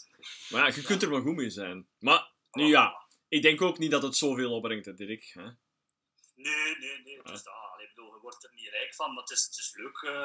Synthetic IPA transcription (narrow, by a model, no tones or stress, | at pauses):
majaɣəkɵntərmaɣumɪːzɛjn | ma | nyja | ɪɡ̚dɛŋkoːknit̚dɑtətsoːveːlˠɔpbrɪŋtədɪrɪkhɛ | neːneneːtsdaɪbədolˠəwɔrtəniəɾɛkfɑnmatɪstɪsløːk